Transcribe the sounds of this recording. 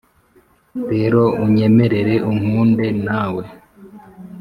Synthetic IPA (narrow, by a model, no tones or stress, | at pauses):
ɾeːɾo̞uɲe̞me̞ɾe̞ɾe̞ʔum̥uːnde̞naːwe̞